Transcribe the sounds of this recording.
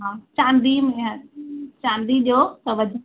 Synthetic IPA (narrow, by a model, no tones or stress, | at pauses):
ɦãːt͡ɕãːnd̪imẽɦãt͡ɕãːnd̪id͡ʑoːt̪ɐʋɐd̪ʱ